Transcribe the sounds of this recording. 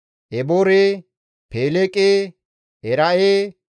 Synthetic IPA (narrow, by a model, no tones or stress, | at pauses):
ʔɛboːɾeː | peːlekʼeː | ɛɾaeː